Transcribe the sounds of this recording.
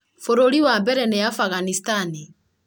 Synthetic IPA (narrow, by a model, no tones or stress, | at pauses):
foɾoɾiwambɛɾɛnejafaɣanistani